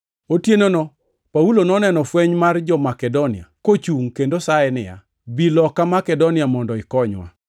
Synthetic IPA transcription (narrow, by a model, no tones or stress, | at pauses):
otjenonɔ | paulonɔnɛnɔfweɲmard͡ʒɔmakɛdonɪa̰kot͡ʃuŋkendosaɛnɪja̰ | bilɔkamakɛdonɪamɔndɔɪkɔɲwa̰